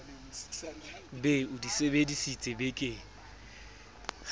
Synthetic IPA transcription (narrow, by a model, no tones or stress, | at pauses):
beʊdisebedisit͡sʼɪbekʼɪ